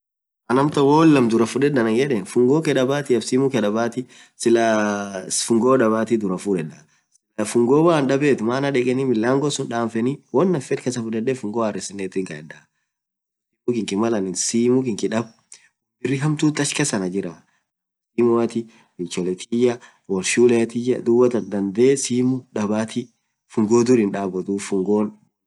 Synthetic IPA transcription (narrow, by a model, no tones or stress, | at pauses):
ʔɐnɐmt̪ɐwoːlːɐmd̪ʊɾɐfʊᶑɛdɐnɐŋd͡ʒɛᶑɛnfʊŋɡoːkɛᶑɐbaːt̪ɪɐbsiːmʊkɛᶑɐbaːt̪ɪ | sɪlɐ | fʊŋɡoːᶑɐβaːt̪ɪd̪ʊɾɐfʊᶑɛᶑɐ | lɐfʊŋɡoːwaːnᶑɐbeːt̪maːnɐᶑɛkʼɛnimɪlːaːŋɡɔsʊnᶑaːɱfɛniwɔnːɐfɛt̪kɛsɐfʊᶑɛdːɛfʊŋɡoːɐrɪsɪnːet̪ːɪŋkɐɛdɐ | siːmʊkɪŋkɪmɐlɐnɪnsiːmʊkɪŋkɪᶑɐb | bɪrːɪɦɐmt̪uːt̪ːɐʃkɛsɐnɐd͡ʒɪɾa | siːmʊɐt̪ɪ | bɪt͡ʃːɔlɛt̪ʰijɐ | wɐlʃuːlet̪ɪjɐd̪ʊwɐt̪ɐnd̪ɐnd̪eːsiːmʊᶑɐbaːt̪ʰɪ | fʊŋɡoːd̪ʊɾɪnᶑaːbɔt̪uːfʊŋɡoːn